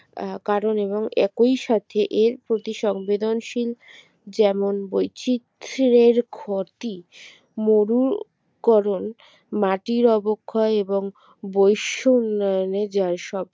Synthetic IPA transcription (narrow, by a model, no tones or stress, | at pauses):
kaɾoneβoŋɛ̰kojʃat̪ʰeʔeɾpɾot̪iʃɔŋbed̪onʃil | d͡ʑɛmonbojt͡ɕit̪ɾeɾkʰoɾt̪i | moɾuɾ | kɔɾon | maʈiɾɔbokʰːaeboŋ | bojʃounːɔoned͡ʑaɾʃɔb̚